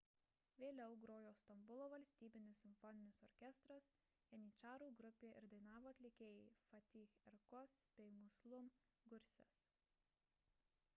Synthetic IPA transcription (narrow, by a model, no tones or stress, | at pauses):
ʋʲeːlʲɛʊɡɾoːjoːst̪ɐmbʊlˠoːʋɐlʲsʲt̪ʲiːbʲɪnʲɪsːʲɪmʲfɔnʲɪnʲɪsɔɾʲkʲɛst̪ɾɐs | ɛnʲiːt͡ʃɑːɾuːɡɾʊpʲeːʔɪ̰ɾd̪ɐɪnɑːʋoːɐt̪ʲlʲekʲeːjɛfɐt̪ʲiːxɛɾkɔspʲɛɪmʊslˠʊm | ɡʊɾʲsʲɛ̰s